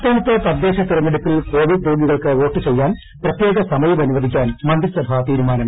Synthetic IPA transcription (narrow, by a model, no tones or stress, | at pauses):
t̪ːoːɳɐt̪ːɨt̪ɐd̪ːe̞ːɕɐt̪irɐmeɽup̪ːilko̞ːʋidd̪uːɡiɣɐɭkɨo̞ːʈːɨt͡ɕejːaːn | prɐt̪jeːɡɐsɐmɐjɐmɐnuʋɐd̪ʱikʲːaːnmɐnd̪ɾisɐbʱat̪iːɾumaːnɐm